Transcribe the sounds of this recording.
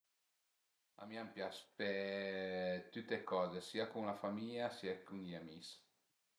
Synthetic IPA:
a̰miampjaspe | t̪yt̪ːekɔːzesiakuŋlafamiʎasiːakuŋiamis

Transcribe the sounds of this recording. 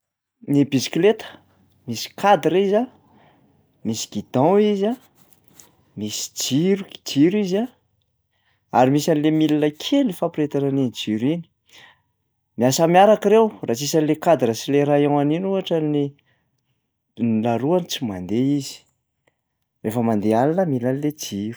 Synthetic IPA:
nibisi̥klet̪ə̥ | misi̥kʰad̪ɾiza | misi̥ɡ̥id̪̥ãiza | misi̥d͡ʒiɾuɡi̥d͡ʒiɾiza | aɾimisanilemilinəkʰelifapɾet̪ananenid͡ʒiɾini̥ | miasamiaɾakiɾewrat͡sisanilekad̪ɾəsileɾaewaninuɦaʈ͡ʂəni | nilaɾuanit͡simand̪eizi̥ | refəmand̪ealinəmilaniled͡ʒiɾu̥

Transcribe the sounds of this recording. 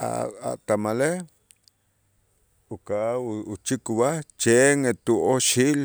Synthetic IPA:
a̰a̰t̪amale | ukauut͡ʃikuβat͡ʃeŋet̪uʔoʃil

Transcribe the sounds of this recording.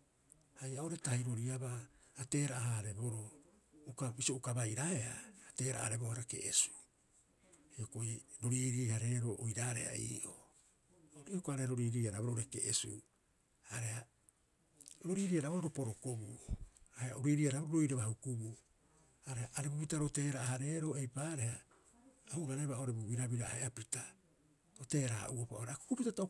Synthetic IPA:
hajaoɾetahiɾo̞ɾiabaːte̞ːɾaʔːhaɾe̞boɾo | ukabisioukabajɾaeaːte̞ːɾa̰ʔa̰ɾe̞bohaɾakeʔesu̥ | hiokoiɾo̞ɾiɾiːhaɾe̞ɾoʔojɾaɾḛa̰ḭːʔo | ɾiokoaɾehaɾo̞ɾiɾiːhaɾaboooɾekḛʔesṵ | aɾeha | ɾo̞ɾiːɾiaɾaoaɾopo̞ɾokobuahehaoɾiɾiaɾaboɾoɾo̞jɾeβahukubu | haɾehaʔaɾebupitaɾote̞ːɾaːhaɾe̞ːɾo̞ːejpaːɾehaː | huɡaɾeβaoɾebubiɾabiɾaaheapita | ɾote̞ːɾa̰ʔuopaoɾeaku̥kupitatao

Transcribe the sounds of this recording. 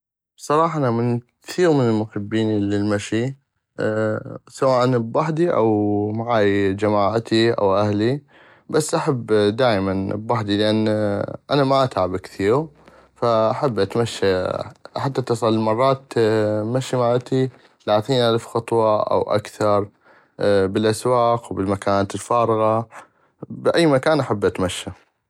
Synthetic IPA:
bsˤɑɾˤɑːħʔanamɪnkθiːɣmɪnɪlmʊħɪbːiːnlɪlmaʃi | sawaːʔanbbaħd̪iʔa̰wmaʕaːjd͡ʒamaːʕt̪iʔa̰wʔahli | basːʔaħabːd̪aːʔmanbbaħd̪ilɪʔanːʔanamaʔat̪ʕabɪkθiːɾɣ | faʔaħabːʔat̪maʃːaħat̪ːat̪ːɑsˤɑlːmɑrˤːɑːt̪maʃːimaʕat̪i | laːθiːnʔalfxɑt̪ˤwɑʔa̰wʔa̰kθɑɾˤ | bɪlʔaswaːqwbɪlmakaːnalfaːɾˤɣɑ | bʔajːmakaːnʔaħabːʔat̪maʃːa

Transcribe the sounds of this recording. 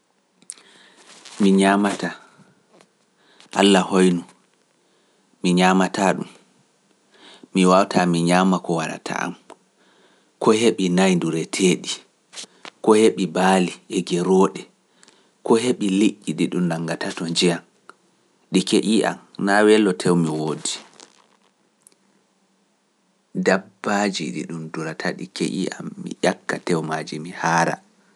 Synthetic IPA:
miɲamata | ʔalːahojnu | miɲamataɗum | miwawtamiɲaːmakɔwaɾa̰tʰa̰ʔa̰m | kɔheɓinajnduɾɛtʰeːɗi | kɔheɓibaːliɛɡɛɾɔːɗɛ | kɔɦeɓiliʔʲːiɗiɗumnaŋɡatatɔɲd͡ʒijan | ɗikeʔiʔa̰mnawɛlːɔtʰɛwmiwoːdi | dabːad͡ʒiɗḭɗumduɾatʰaɗḭkḛʔḭʔa̰mːḭʔakːatɛwmad͡ʒimihaːɾa̰

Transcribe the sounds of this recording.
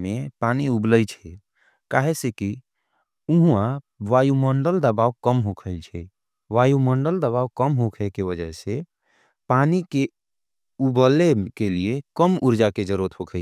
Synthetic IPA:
mepaniubləjt͡ʃʰɛ | kaɦeseki | uɦũã | ʋajuməɳɖəld̪əbawkəmɦokʰəlt͡ʃʰɛ | ʋajuməɳɖəld̪əβawkəmɦokʰekeʋəd͡ʒəɦse | panike | ubəlːekeliekəmuɾd͡ʒaked͡ʒəɾuət̪ɦokʰə

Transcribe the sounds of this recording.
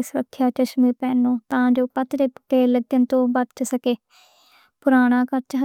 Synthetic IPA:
sʊɾəkʰːjaːt͡ʃəʃmiːɾpɛːnõːt̪ãːd͡ʒoːpət̪ɾeːkeːləɡənt̪õːbət̪t͡ʃsəkeː | pʊɾaːɽ̃ãːkəɾt͡ʃəɦ

